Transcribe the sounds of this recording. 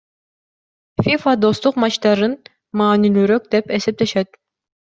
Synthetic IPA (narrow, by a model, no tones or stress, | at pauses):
fʲifad̪o̞st̪uqmɑt͡ʃt̪ɑɾɯn | mɑːnilyɾøk̚d̪epesep̚t̪eʃɛt̪̚